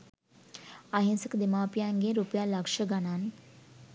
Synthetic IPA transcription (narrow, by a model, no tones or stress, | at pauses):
aɦinsəkd̪emaːpijaŋɡeɾupəjaːlakʂəɡanan